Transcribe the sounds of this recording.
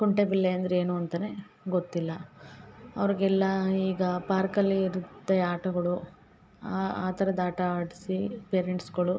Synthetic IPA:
kuɳʈebilːeɐnd̪ɐɾeːnuːɐnt̪ɐne | ɡot̪ːilːɐ | ɐʋɐɾiɡɛlːɐiːɡɐpaːɾkɐlːiiɾut̪ːɐaːʈɐɡɐɭu | aaːt̪ɐɾɐd̪aːʈɐaːɽisipeːɾeɳʈsɡɐɭu

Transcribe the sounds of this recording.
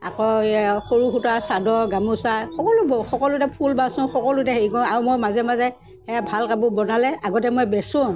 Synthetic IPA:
akɔxoɹuxutasadɔɹɡamusaxɔkɔlʊbɔxɔkɔlʊtɛpʰulbasʊ̃xɔkɔlʊtɛɦeikɔ̃aɹumɔjmazɛmazɛ | hɛabʱalkabʊ̃bɔnalɛʔaɡɔtɛmɔjbɛsʊ̃

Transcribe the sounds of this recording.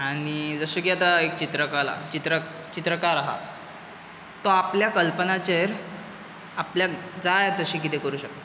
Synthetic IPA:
aɽ̃id͡zəɕekiat̪aek̚t͡ɕit̪ɾəkala̰t͡ɕit̪ɾə | t͡ɕit̪ɾəkaɾaɦa̰ | t̪ɔapljakəlpənat͡ɕeɾ | apljad͡zajet̪əɕiːk̬it̪ʰekəɾuːɕək̚t̪e

